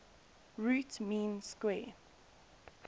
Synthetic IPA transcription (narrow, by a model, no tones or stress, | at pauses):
ɹuːtmĩːnskwɛː